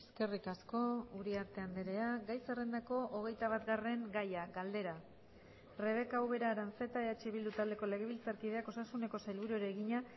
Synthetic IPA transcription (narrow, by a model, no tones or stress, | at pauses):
eske̞rikasko̞uɾiaɾt̪e̞and̪eɾe̞aɡajsere̞nd̪ako̞ʔoɣ̞e̞jt̪aβat̪ɡare̞ŋɡajaɡald̪e̞ɾa | re̞β̞e̞kawβe̞ɾaɾant͡se̞t̪aeat͡ʃeβild̪ut̪ald̪e̞ko̞le̞ɣ̞e̞β̞ilt͡saɾkið̞e̞ako̞sasune̞ko̞sajlβuɾuɾeːɣiɲa